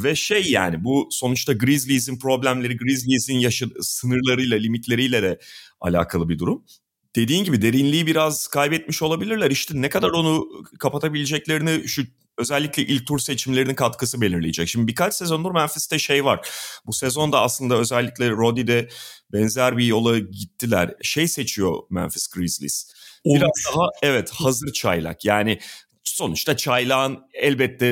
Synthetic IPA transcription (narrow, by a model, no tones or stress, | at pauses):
vɛʃejːa̰ːnibuso̞nut͡ʃt̪aɡɾizlʲizinpɾo̞blʲæmlʲe̞ɾiɡɾizlʲizinjaʃasɯnɯɾlˠaɾɯjlˠalʲimit̪ʰlʲe̞ɾijlʲɛd̪ɛa̰lʲa̰ːkʰalˠɯbid̪uɾum | d̪̥e̞d̪iːnɟibid̪e̞ɾinlʲijibiɾaz̥kʰajbɛt̪̚miʃo̞lˠabilʲiɾlʲæɾiʃt̪ʰɛnɛkad̪aɾo̞nukʰapat̪ʰabilʲed͡ʒɛclʲe̞ɾiniʃu | ø̞zɛlʲːiclʲɛʔil̚ʲt̪ʰuɾse̞t͡ʃʰimlʲe̞ɾininkʰat̪kʰɯsɯbe̞lʲiɾlʲejed͡ʒɛcʃimd̪ibikat͡ʃsezo̞nd̪ˠuɾmænfist̪ɛʃejvaɾ̥busezo̞nd̪aaslˠɯnd̪aø̞zɛlʲːicʲlʲɛɾo̞d̪id̪ɛbɛnzæɾbijo̞lˠaɟit̪ʰːilʲæ̰ɾʃejse̞t͡ʃʰijo̞̰mæ̰nfɛ̥sɡɾizlʲḭsbuiɾazd̪aɦaɛvɛt̪hazɯɾt͡ʃʰa̰jlˠa̰kjaːnɪ | so̞nut͡ʃt̪at͡ʃʰajlˠaːnɛlʲbɛt̪ʰːɛ